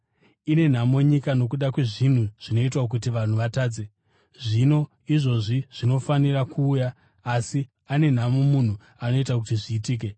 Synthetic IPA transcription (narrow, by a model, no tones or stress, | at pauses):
ine̞n̤amo̞ɲikano̞k̬uɗakwe̞ʐin̤uʐ̥ino̞it̬wak̬ut̬iʋan̤uʋataːd͡ze̞ | ʐino̞ | iʐo̞ʐiʐ̥ino̞fanirakʰuːjaː | si | ane̞n̤amomun̤u | ano̞itakutiʐiːtiːk̬e̞